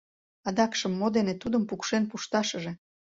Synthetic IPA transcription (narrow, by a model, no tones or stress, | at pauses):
ɑd̪ɑkʃəmːod̪enet̪ud̪əmpukʃenpuʃt̪ɑʃə̆ʒe